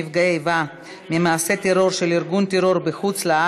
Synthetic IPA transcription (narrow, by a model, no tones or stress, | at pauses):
ivɡaeva | mimaːse̞t̪eɾo̞ɾʃeliɾɡunt̪eɾo̞ɾbeχut͡slaa